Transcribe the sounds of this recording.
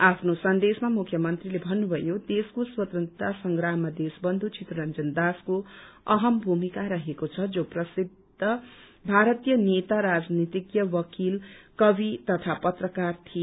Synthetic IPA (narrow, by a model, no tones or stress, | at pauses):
apʰnosʌnd̪esmamukʰjʌmʌnt̪rilebʱʌnːubʱʌjod̪eskoswʌt̪rʌnt̪asʌŋɡɾamːad̪esbʌnd̪ʱut͡sʰit̪rʌɾʌnd͡zʌnd̪asko | ʌɦʌmbʱumikaɾʌɦekot͡sʰʌd͡zoprʌsid̪ʱʌ | bʱaɾʌt̪ijʌnet̪aɾad͡znit̪ikjʌwʌkilkʌbit̪ʌt̪ʰapʌt̪rʌkart̪ʰi